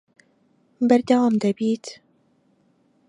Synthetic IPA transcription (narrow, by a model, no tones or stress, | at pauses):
bæɾd̪awamd̪ɐbiːt̪